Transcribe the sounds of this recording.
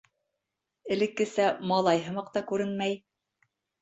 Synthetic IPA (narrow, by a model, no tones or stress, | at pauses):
ɘ̆lɘ̆kːɘ̆sæmɑlˠɑjɦɤ̆mɑqt̪ɑkʉɾɘnmæj